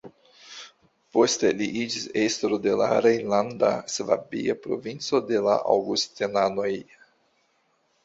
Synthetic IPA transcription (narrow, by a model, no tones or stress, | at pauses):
po̞steliʔid͡ʒisest̪ɾode̞la̰ɾejland̪a̰sva̰biapɾo̞̰vint͡so̞de̞la̰ʔa̰wɡustinano̞j